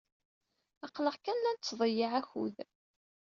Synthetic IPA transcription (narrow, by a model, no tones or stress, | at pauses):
ɑqləʁkænlænt͡sːðˤəjiʕæçṵð